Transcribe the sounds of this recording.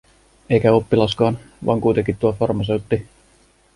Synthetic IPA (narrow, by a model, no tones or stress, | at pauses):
e̞jkæo̞pːilɑskɑːn | ʋʔɑ̰ːŋkujt̪eŋkit̪t̪ːuɑfɑrmɑsewt̪ːi